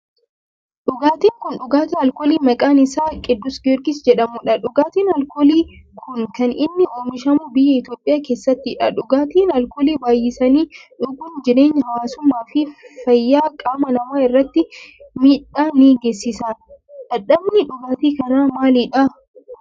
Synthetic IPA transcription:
ᶑʊɡaːt̪iːŋkʊnᶑʊɡaːt̪iɐlkoːliːmɐkʼaːnɪsaːkʼɪd̪ːʊsɡɛɾɡɪsd͡ʒɛᶑɐmʊᶑɐᶑʊɡaːt̪iːnɐlkoliːkʰʊnkɐnɪnːɪoːmɪʃɐmʊːbɪjːɐɪt̪joːpʼːɪjaːke̞ːsːɐt̪ːɪᶑɐᶑʊɡaːt̪iːnɐlkoːliːbaːjɪsɐniːᶑʊɡʊnd͡ʒɪɾe̞ːɲːɐhɐwaːsʊmːaːfɪfɐjːaːkʼaːmɐnɐmaːɪrːɐt̪ːɪmiːᶑaːniːɡeːsːɪsaːᶑɐᶑɐbnɪᶑʊɡaːt̪iːkɐnaːmaːlɪᶑɐ

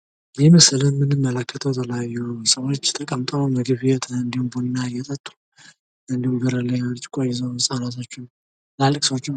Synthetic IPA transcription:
jɛməslənmɨnɨmːələkʰːət̪ʰəwt̪ʰələjajːusəwot͡ʃːt̪ʰʼəkʼəmt̪ʼəməɡɨβjɛt̪ʰəɨnd̪ihumbunnːajɛt̪ʼət̪ʼːu̥ | ɨnd̪ihumɡəɾəlːəjalt͡ʃʼkʼajɛzəwɨsʼanat̪ʰo̞t͡ʃːɪn | lalɨkʼsəwot͡ʃːɪn

